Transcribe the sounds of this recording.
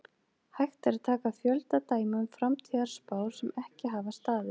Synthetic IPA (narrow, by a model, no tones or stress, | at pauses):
hajxt̪ɛɾat̪ʰaːkafjœlt̪at̪aːjmamfɾamt̪ʰiːaɾ̥spaːwɾ̥sɛmɛhcɪɦaːvast̪aːðɪ